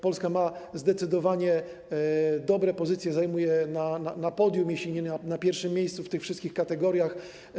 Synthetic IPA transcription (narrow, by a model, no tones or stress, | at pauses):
pɔlskamazd̪ɛt̪sɘd̪ɔvaɲɛ | d̪ɔbɾɛpɔzɘt̪sʲjɛzajmujɛnananapɔd̪ʲjumʲjeɕlʲiɲɛnanapʲjɛɾfʂɘmʲːjejst̪suft̪ɘxfʂɘst̪kʲixkat̪ɛɡɔɾʲjax